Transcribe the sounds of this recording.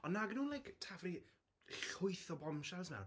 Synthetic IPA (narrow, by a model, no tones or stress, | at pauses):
ɔnːaɡənuːnlajktʰavri | ɬʊjθɔbɔmʃasmɛ̰wn